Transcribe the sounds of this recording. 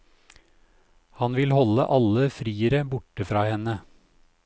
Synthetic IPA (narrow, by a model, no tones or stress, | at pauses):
hɑnʋɪlhɔlə̰ʔɑləfɾiːəɾəbʊʈəfɾɑːhɛnə